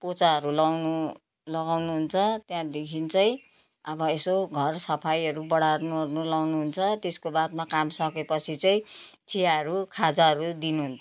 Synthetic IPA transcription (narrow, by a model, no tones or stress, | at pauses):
pot͡saɦʌɾulawnu | lʌɡawnuɦunt͡sʰʌt̪jãd̪ekʰint͡sʌj̃ | ʌbʌesoɡʱʌrsʌpʰajʌɾubʌɽarnunulawnuɦunt͡sʰʌt̪eskobat̪makamsʌkepʌt͡sʰit͡sʌĩt͡sʰijaʌɾukʰad͡zaɦʌɾud̪inuɦunt͡sʰ